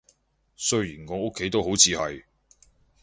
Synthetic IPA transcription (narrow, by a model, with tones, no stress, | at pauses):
sɵ˥ɥjiː˨˩nŋɔː˨˧o˥kʰːe˨˥jt̪o˥wɦo˨˥wt͡sʰiː˨hɐ˨j